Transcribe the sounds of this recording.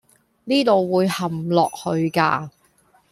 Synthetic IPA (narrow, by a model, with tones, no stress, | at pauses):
niː˥t̪o˨wwuː˨˧jhɐ˨mlɔː˨k̚hɵ˧ɥkaː˧